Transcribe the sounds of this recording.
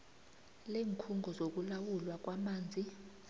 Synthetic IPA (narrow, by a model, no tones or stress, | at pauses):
leːŋkʰuŋɡʱɔzok̬ulawulwak̬wamaːnd͡zʱi